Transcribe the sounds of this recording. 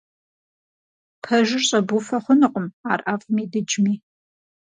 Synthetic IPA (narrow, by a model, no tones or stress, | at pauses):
pʰɐʒɪɕʼɐbufɐχʷʊnɨqʼʊmaːrʔaːfʼmiːdɨd͡ʒmiː